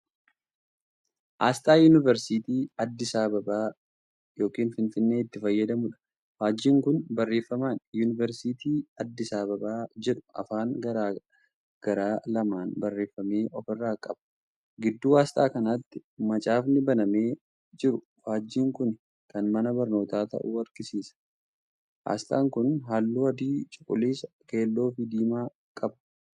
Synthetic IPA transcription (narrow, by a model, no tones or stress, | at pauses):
ʔaːst̪ʼaːjuːnɪvɛɾsiːt̪iːɐd̪ːɪsaːbɐbaː | jo̞ːkʼiːnfɪnfɪnːeːɪt̪ːɪfɐjːɐd̪ɐmʊᶑɐ̥ | faːd͡ʒːiːŋkʊnbɐrːe̞ːfːɐmaːnjunɪvɛɾsiːt̪iːɐd̪ːɪsaːbɐbaːd͡ʒɛᶑʊ̥ɐ̰faːŋɡɐɾaː | ɡ̥ɐɾaːlɐmaːnbɐrːe̞ːfːɐme̞ːʔɔfɪrːaːkʼɐbɐ̥ | ɡɪd̪ːuːaːst̪ʼaːkɐnaːt̪ːɪmɐt͡ʃʼaːfnɪbɐnɐme̞ː | d͡ʒɪɾʊ | faːd͡ʒːiːŋkʊn | kɐnmɐnɐbɐɾno̞ːt̪aːt̪ɐ̰ʔuːɐɾɡɪsiːsɐ̥ | wa̰ːst̪ʼa̰ːŋkʊnɦaːlːuːɐd̪iːt͡ʃʼʊkʼːʊliːsɐ | ke̞ːlːo̞ːfɪd̪iːmaː | kʼɐbɐ̥